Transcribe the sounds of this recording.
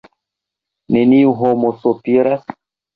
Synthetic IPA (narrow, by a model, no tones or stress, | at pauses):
neniuɦomosopiɾas